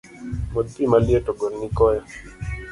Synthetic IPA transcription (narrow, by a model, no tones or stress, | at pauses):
mod̪̚pimaljetɔɡoɾnikɔja